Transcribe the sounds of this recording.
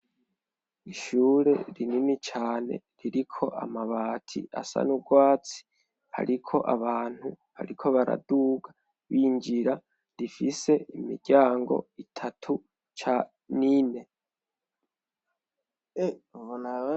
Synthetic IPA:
iʃuɾe̞̰ɾininit͡ʃaːne̞̰ | ɾiɾikʰo̞ʔa̰maβaːtʰḭa̰sa̰nuɡwaːt͡si̥ | ha̰ɾikʰo̞ʔaβaːn̥hu | ha̰ɾikʰo̞βaɾa̰duːɡa | βiɲd͡ʒiɾa | ɾifise̞imḭɾɟaːŋɡo̞̰itʰatʰu | t͡ʃa | nine̞ | eβona

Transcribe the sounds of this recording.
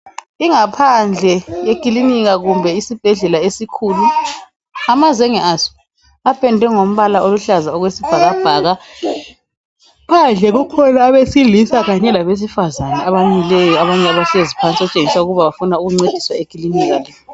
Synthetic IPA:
iŋapʰand͡ɮʱɛjekʼiliniɣaɣumbʱɛisib̥ʱɛɮɛlaesikʰulu | amazɛŋɛʔasɔ̥ | apʰʼɛndʱɛŋom̩βalaoluɬazaɔɣwesib̥ʱaɣab̥ʱaːɣa | pʰand͡ɮʱɛɣukʰɔlaːβesilisaɣaɲɛlaβes̬ifazanɛaβamilɛjɔaβaɲɛaβaɬezipʰant͡sʼɔt͡ʃʼeŋisauɣuβaβafunauɣuŋ͡ǀed̥ʱi̥swaekʼiliniɣalɛ

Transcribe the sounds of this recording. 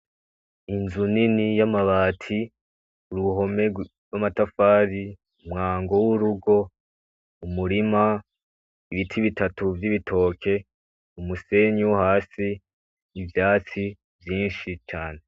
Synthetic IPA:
inzuninijamaβaːtʰi | uɾuɦo̞me̞ɡwamatafaːɾi | umŋaːŋɡo̞wuɾuɡo̞ | umuɾima | iβitʰiβitatuvjiβitʰo̞ːkʰe̞ | umuse̞ɲuwhaːsiː | vjaːt͡si | vjiːnʃit͡ʃaːne̞

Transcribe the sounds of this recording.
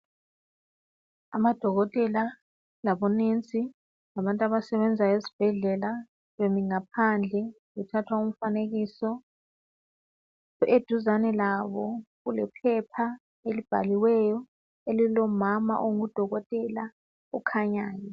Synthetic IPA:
amad̥ʱɔɣɔtʼɛla | laβɔnent͡sʼi | laβantʼaβasɛβɛnd͡zʱajezi̥b̥ʱɛɮɛla | βemiŋapʰand͡ɮʱɛ | wutʰatʰwaum̩faneɣisɔ | ed̥ʱuzanɛlaβɔɣulɛpʰɛpʰa | elib̥ʱa̰liwɛjɔ | elilɔmama̰ʔoŋud̥ʱɔɣɔtʼɛla | ukʰaɲaːjɔ

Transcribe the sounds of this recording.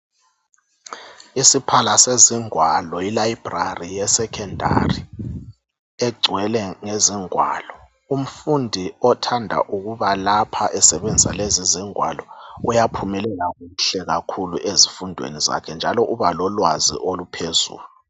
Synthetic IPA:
isipʰalaseziŋwalɔilaib̥rarijɛsɛkʰɛndʱa̰ri | ɛɡ͡ǀʱwɛlɛŋeziŋwa̰lɔ | um̩fundʱiɔtʰandʱa̰ʔuɣuβalapʰaʔɛsɛβend͡zʱisaleziziŋwa̰lɔujapʰumɛlɛɣaɣuɬɛɣakʰuluʔezifundʱwḛniza̰kʰɛnd͡ʒʱalɔʔuβalɔlwazḭʔolupʰezṵːlu

